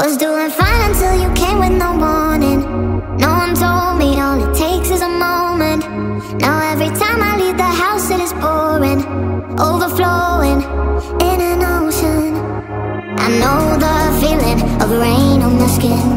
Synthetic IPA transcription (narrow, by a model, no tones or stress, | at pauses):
wʌzduɪ̃ŋfãɪ̃nə̃ntʰɪlˠjɨkʰẽɪ̃mwɨðnoʊmɔnɪ̃ŋnoʊwʌ̃ntʰoʊlˠd̚mioʊnɨtʰeɪksɨzəmõʊ̃mɨ̃nʔ | naʊɛvɹitʰãɪ̃maɪlivðəɦaʊsɨɾɨzbɔɹɪ̃ŋʔoʊvə˞floʊɪ̃ŋɪ̃nɨnoʊʃə̃n | ʔɨ̰̃nːoʊðəfilˠɪ̃ŋʌvɹẽɪ̃nə̃n̩ðʌəskɪ̃n